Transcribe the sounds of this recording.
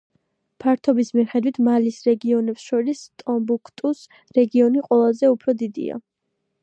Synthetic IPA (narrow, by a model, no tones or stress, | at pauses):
pʰaɾt̪ʰɔbismiχɛd̪wit̪ʰmalisɾɛɡiɔnɛpsʃɔɾist̪ʼɔmbukʰt̪ʼus | ɾɛɡiɔniqʼwɛlˠazɛupʰɾɔd̪id̪ḭa̰